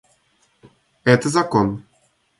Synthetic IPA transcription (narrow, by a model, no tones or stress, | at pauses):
ɛt̪ɛzakɔn